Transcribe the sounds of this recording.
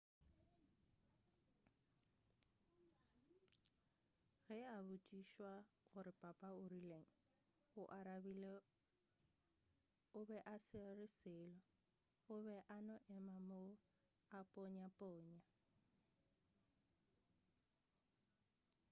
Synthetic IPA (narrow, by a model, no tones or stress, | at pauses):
ɣɛabʊtʼiʃwaɣʊɾɪpʼapʼaʊrileŋ̩ | ʊʔaɾabile | ʊbɛʔasɪrɪsɪːlɔ | ʊβɛʔanɔʔɛmamo | apʼoɲapʼoːɲa